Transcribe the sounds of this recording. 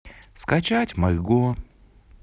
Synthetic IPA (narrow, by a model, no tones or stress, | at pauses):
skɐt͡ɕatʲmɐjɡo